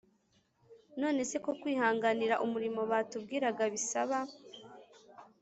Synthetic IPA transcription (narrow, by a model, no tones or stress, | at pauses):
no̞ːne̞se̞ko̞kwiːhaːŋɡaniɾaʔumuɾimo̞βaːtub̚ɡiːɾaɡaβisaβa